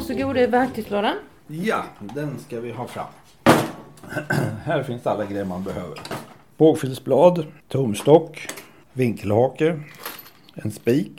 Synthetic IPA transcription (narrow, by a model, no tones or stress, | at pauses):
sɔɡuːd̪əɛvæɾk̚t̪ʰɪsloːɾan | jad̪ɛnskavɪɦɑːfɾa̰mː | hæːɾfɪnsalːaɡɾɛjəmanbɛhøːvə̰ɾ | b̥oːɡfʏlsblɑːd̪t̪ʰʊmst̪ɔkː | vɪŋkʰəlhɑːkəɾ | ɛnspiːk